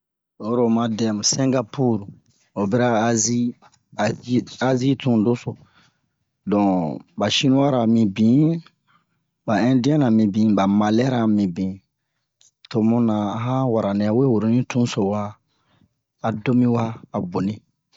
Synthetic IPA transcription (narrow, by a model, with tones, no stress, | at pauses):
o˦ɾo˨mã˨dɛ˨m˨sɛ̃˦ŋɡa˦pu˦ɾu˨ | o˨bɛ˦ɾa˦zi˦ | a˦zi˦tũ˦do˦so˨ | dɔ̃˨ba˨ʃi˦nũ˦wa˦ɾa˨mĩ˨bĩ˨˦ | ba˨ɛ̃˦di˦ɛ̃˦nã˨mĩ˨bĩ˨ba˨ma˨lɛ˦ɾa˨mĩ˨bĩ˨ | to˨mũ˦nã˨a˦ɦã˦wa˨ɾa˨nĩ˨a˨we˦wo˨ɾo˨nĩ˦tũ˦so˨wa˦˨ | do˦mĩ˦waː˦˨bo˨nĩ˦